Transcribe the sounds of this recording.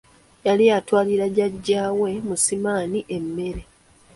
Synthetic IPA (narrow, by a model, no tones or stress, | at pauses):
jalijatwaːliɾaɟaɟːaːwe̞musimaːniʔe̞mːe̞ɾe̞